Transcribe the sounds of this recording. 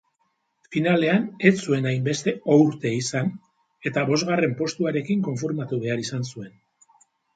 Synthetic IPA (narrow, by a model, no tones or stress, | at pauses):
finale̞ane̞t͡sue̞najmbe̞st̪e̞owɾt̪e̞isan | e̞t̪aβo̞zɣare̞mpo̞st̪uaɾe̞kiŋko̞ɱfiɾmat̪uβe̞aɾisansue̞n